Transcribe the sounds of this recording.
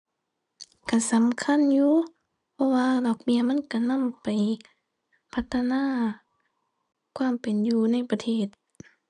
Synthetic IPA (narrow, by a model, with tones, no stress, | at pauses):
ka˧˩˨sa˨˦mkʰa˧˥˨njuː˧ | pʰɔ˧˥waː˧lɔː˧˩k̚mi˧˩ɐma˧˥˨nka˧˩na˧˥˨mpa˨˩j | pʰa˧t̪ʰːa˧naː˧˥˨ | kʰwaː˧˥˨mpe˨njuː˧na˧˥˨jpa˧t̪ʰeː˧˩t̪̚